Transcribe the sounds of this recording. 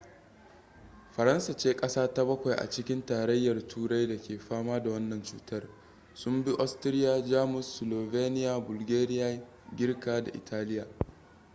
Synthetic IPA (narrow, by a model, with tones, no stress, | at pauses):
ɸɐ˨ɾɐ˦nsa˨t͡ʃeː˦kʼɐ˦saː˦ta˦bɐ˦kʷa˨jʔa̰˨t͡ʃɪ˦kʲɪ˦ntaː˨ɾɐ˦jːɐ˨rtʰuː˦ɽa˦jda˨kʲeː˨ɸaː˦maː˦da˨wɐ˦nːɐ˨nt͡ʃṵː˦tɐ˦r | sʊ˦mbi˦ʔɔ˦stɪ˦ɾɪ˦jaː˨d͡ʒaː˦mʊ˨sːʊ˨loː˨veː˦nɪ˦jaː˨bʊ˨lɡʲeː˦ɾɪ˦jaː˦ | ɡʲɪ˦rkaː˦da̰˨ʔɪ̰˨tʰaː˦lɪ˦jaː˨